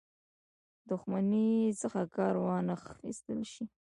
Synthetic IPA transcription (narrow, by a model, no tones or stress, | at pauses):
d̪ʊxmanisəxakɑɾwɑnəxḭst̪əlʃi